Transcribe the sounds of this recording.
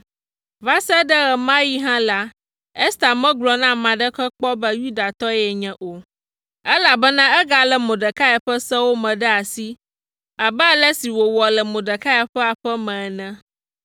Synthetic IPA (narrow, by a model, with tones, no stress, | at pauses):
va˦sɛ˦ɖə˦ɣɛ˨mã˦ji˦ɦã˦la˦ | ɛ˦st̪a˨mɛ̃˦ɡlɔ˨nã˦mã˨ɖə˦kə˦k͡pɔ˦bə˦ju˦d̪a˨t̪ɔ˦jɛ˨ɲɛ̃˨ʔo˨ | ɛ˦la˨bə˦nã˦ɛ˦ɡa˨lɛ˨mõ˨ɖə˨ka˦jɛ˨ɸə˦sɛ˦wo˦mɛ̃˨ɖɛ˦a˨si˦ | a˨bɛ˦lɛ˦si˨wo˨wɔ˨lɛ˨mõ˨ɖə˨ka˦ɛ˨ɸɛ˦a˨ɸɛ˦mɛ̃˨ɛ˨nɛ̃˦